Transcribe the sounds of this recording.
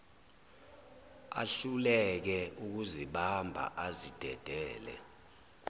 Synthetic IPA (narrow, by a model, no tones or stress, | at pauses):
a̰ɬulɛk̬ɛʔuk̬uziɓambʱa̰ʔazid̥ʱɛd̥ʱɛːlɛ̰